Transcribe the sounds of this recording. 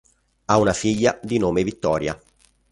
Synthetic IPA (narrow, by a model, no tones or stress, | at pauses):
aunafiʎːad̪inoːmevit̪ːɔːɾja̰